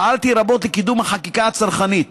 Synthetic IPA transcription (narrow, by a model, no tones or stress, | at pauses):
alt̪iɾabo̞t̪lekid̪umhaχakikaat͡saɾχanit̪